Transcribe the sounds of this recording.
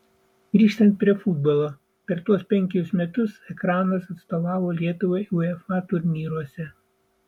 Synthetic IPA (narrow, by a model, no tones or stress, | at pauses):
ɡ̥ɾʲiːʃt̪ɐnt̪̚pʲɾʲiɛfʊd̪̚bolˠoː | pʲɛɾt̪uɔspʲɛŋʲkʲɛʊsmʲɛt̪ʊsɛkɾɑːnɐsɐt̪st̪oːʋɑːʋoːlʲiɛt̪ʊʋɐɪʊɛfɑt̪ʊɾʲnʲiːɾuɔsʲɛ